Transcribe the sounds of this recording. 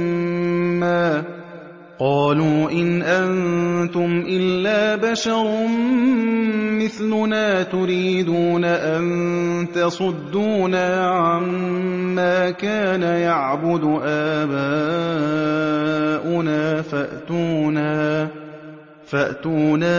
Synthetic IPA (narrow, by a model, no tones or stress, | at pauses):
aː | qɑːluːʔɪnʔant̪ʊmʔɪlːaːbaʃɑɾˤ | mɪθlʊnaːt̪ʊɾiːd̪uːnaʔannt̪ɑsˤʊd̪ːuːnaːʕamː | aːkaːnajaʕbʊd̪ʊʔaːbaː | ʔʊnaːfaʔt̪uːna | faʔt̪uːnaː